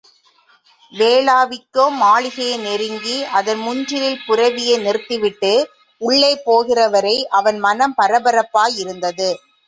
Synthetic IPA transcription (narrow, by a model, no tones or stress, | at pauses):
ʋeːɭaːʋɪkːoːmaːɭɪɣɐjnɛɾɯŋɡiɐðɐnmʊɲd͡ʒɪlɪlpʊrɐʋɪjɐɪnɪrɯt̪ːɪʋɪʈːɯ | ʊɭːɐɪpːoːɣɪrɐʋɐɾɐɪʔɐʋɐnmɐnɐmpɐɾɐbɐɾɐpːaːjɪɾɯnd̪ɐðɯ